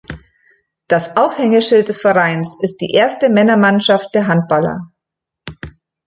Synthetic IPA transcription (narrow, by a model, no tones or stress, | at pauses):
d̥asʔaʊshɛŋəʃɪlt̚d̥ɛsfɛʁaɪnsɪst̚d̥ḭːʔeːɐstəmɛnɐmanʃaft̚d̥eːɐɦant̚b̥alɐ̰